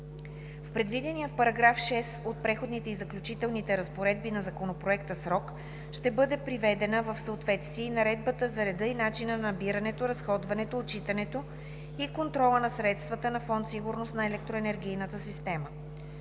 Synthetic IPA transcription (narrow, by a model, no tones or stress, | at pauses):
fpɾɛd̪vid̪ɛnijəfpɐɾɐɡɾafʃɛsot̪̚pɾɛxod̪nit̪ɛizɐklʲut͡ʃit̪ɛlˠnit̪ɛɾɐspoɾɛd̪̚binɐzɐkonopɾoɛk̚t̪əsɾɔk | ʃt̪ɛbɤd̪ɛpɾivɛd̪ɛnəvɐfsəot̪vɛt̪st̪viɛnɐɾɛd̪̚bət̪əzɐɾɛd̪ɤinat͡ʃinənɐɐbiɾənɛt̪oɾɐsxɔd̪vɐnɛt̪oːt͡ʃit̪ɐnɛt̪o | ikont̪ɾɔlˠənɐsɾɛt̪st̪vət̪ənɐfɔnt̪siɡuɾnost̪nɐɛlɛk̚t̪ɾoɛnɛɾɡ̟ijnət̪əsist̪ɛmə